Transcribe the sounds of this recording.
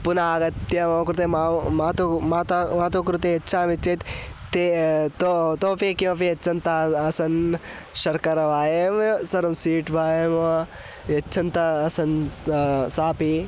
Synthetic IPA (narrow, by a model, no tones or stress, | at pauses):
punaːɡɐt̪ːjɐmɐkuɾt̪emamaːt̪umat̪amat̪okɾut̪eɐtːt͡ʃʰaːmit͡ʃːet̪t̪et̪ot̪oːpekimɐpiɐt͡ʃʰɐnt̪aɐsɐn | ʃɐɾkɐɾɐʋaːjemsɐɾɐmsiːʈʋaːjem | ɐt͡ʃʰɐnt̪ɐːsɐn | saːpi